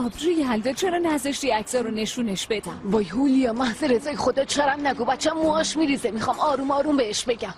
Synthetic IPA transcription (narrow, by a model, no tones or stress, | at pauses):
ɒːbɾuːjeɦæld̪ɒːd̪̚t͡ʃʰeɾɒːnæzeʃt̪iæcʰz̥ɒɾone̞ʃuːne̞ʃb̥e̞d̪æmvɒːjɦulijɒːmæhz̥eɾezɒːjeχod̪ɒːt͡ʃʰɒɾæmnæɡubæt͡ʃʰːæmːoɒːʃmiːɾizemixɒmɒːɾuːmɒːɾuːmbeeʃbe̞ɡʲæm